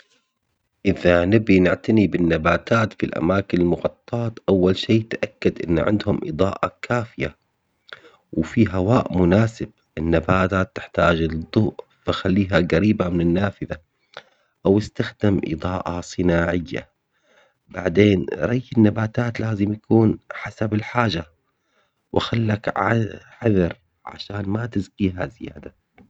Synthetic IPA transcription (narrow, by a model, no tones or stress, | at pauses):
ʔɪðanɪbinɪʕt̪anibɪnːabaːt̪aːt̪filʔa̰maːkɪnɪlmʊɣɑt̪ˤːɑːt̪ʔawːalʃeːt̪ʔakːad̪ʔɪ̰nːʕɪ̰nd̪hʊmʔɨ̰d̪ˤɑːʔɑkʰaːfɪja̰ | wfiɦawaːʔmʊnaːsɪb̚ | ʔɪnːabaːt̪aːt̪ːɪ̥ħt̪aːd͡ʒlɨd̪ˤːʊːʔ | faxalːiːɦaɣaɾiːbamɪnɪnːaːfɪða | ʔawɪst̪axd̪ɪmʔɨ̰d̪ˤɑːʔɑ̰sˤɨnaːʕɪjːa̰ | baʕd̪eːnɾˤɑjːɪnːabaːt̪aːt̪laːzɪmj̪akuːnħasabɪlħaːd͡ʒa | wʔaxalːakʕħaðɑɾˤ | ʕa̰ʃaːnmat̪ɪzqiːɦazɪja̰ːd̪a